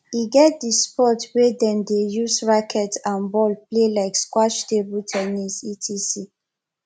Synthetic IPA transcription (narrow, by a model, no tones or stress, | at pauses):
iɡɛt̚dispɔtwɛdɛ̃mdejusɹakʰɛtsãnbɔlplelaɪkskwaʃtebultʰɛnisitʰisi